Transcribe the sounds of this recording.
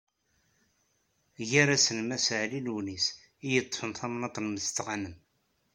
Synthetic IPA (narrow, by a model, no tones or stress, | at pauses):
ʝæɾæsənmæsʕlilwnis | ijət̪ˤːə̥fənθæmnɑt̪ˤnməst͡s̪ːʁanəm